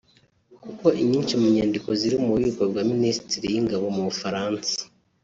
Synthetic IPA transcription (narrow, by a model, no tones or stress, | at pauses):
kuko̞ʔiɲiːnʃimuɲaːndiko̞ziɾimuβiukabɡwaːministiɾijiŋɡaβo̞muβufaɾaːnsḁ